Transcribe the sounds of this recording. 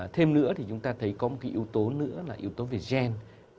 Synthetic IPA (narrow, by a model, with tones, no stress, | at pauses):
t̪ʰe˧mnɨ̰˧˥ət̪ʰi˨˩t͡ɕʊ˨˦ŋ͡mt̪aː˧t̪ʰə˨˦jkɔ˨˦mo˨˩ka˨˦ʔi˨˧əwt̪o˨˦nɨ̰˧˥əlaː˨˩ʔi˨˦əwt̪o˨˦ve˨˩zɛ˧n